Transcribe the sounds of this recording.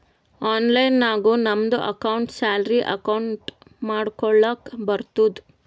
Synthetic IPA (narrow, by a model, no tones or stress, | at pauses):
aːnlɐjnːaːɡuːnɐmd̪uʔɐ̰kɐwɳʈsaːlɾiʔɐ̰kɐwɳʈmaːɽkɔɭːɐkbɐɾt̪ud̪u